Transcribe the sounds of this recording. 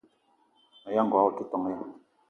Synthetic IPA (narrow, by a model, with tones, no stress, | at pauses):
a˨ja˦ŋ˨ɡwa˨wɔ˦ki˦t̪ɔ˨ŋ˦ja˦